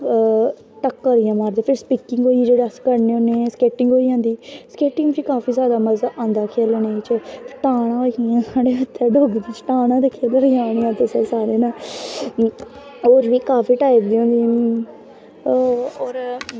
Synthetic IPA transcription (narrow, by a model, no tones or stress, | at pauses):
ʈəkːoːɾijãːmaːɾd̪eːpʰɪɾspikɪŋɡɦoːid͡ʒeːɽaskəɾneːonːeːskeːʈɪŋɡoːiːãːnd̪iːskeːʈɪ̃ŋɡt͡ʃikaːfiːsjaːd̪aːməzaʔãːnd̪aːkʰeːlneit͡ʃəʈaːɽ̃ãːoːiãːsaːɽeːət̪ʰːeːɖoɡd͡ʒ̪iːt͡ʃʈaːɽ̃ãːd̪eːkʰːelɾijãɽ̃ijãːt̪ʊseːsaːɾeːnaː | oːɾʋiːkaːpiːʈaːɪbd̪iːɦõːnd̪iː | oːɾ